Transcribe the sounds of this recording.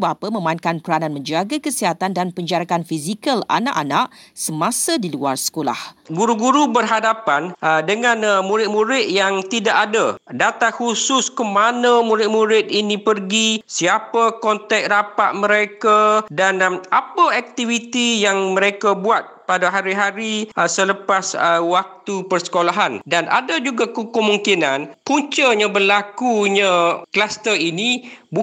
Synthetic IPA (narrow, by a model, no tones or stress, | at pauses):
bapəmə̃mankanpəɾananmə̃ɲd͡ʒaɡakəsiɦat̪andanpəɲd͡ʒaɾakanfizikəla̰na̰ʔa̰naʔsəmãsadilua̰rsə̥kola̰hɡuɾuɡuɾubərɦadapandəŋãnmũɾɪt̪̚mũɾɪt̪̚jaŋt̪idaʔadədat̪ahusʊskəmanə̃muɾɪt̪̚muɾɪt̪̚inĩpərɡisiapəkɔnt̪ɛk̚rapaʔ̪̚mə̃ɾekadanapaak̚t̪ivit̪ijaŋmə̃ɾekabuat̪̚padaɦaɾiɦaɾisələpaswak̚t̪upərsə̥kolaɦandanʔa̰dad͡ʒuɡakəkəmuŋkinankuɲt͡ʃəɲãbərlakuɲãklast̪ərinĩbu